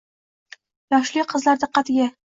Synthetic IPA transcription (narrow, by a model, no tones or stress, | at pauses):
jɒʃlɪqʰɨzlaɾd̪aqʰɑt̪ɡʲa